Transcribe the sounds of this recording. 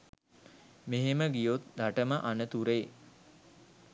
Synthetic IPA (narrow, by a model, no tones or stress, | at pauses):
meɦeməɡijot̪̚d̪ʱaʈəməʔanət̪uɾe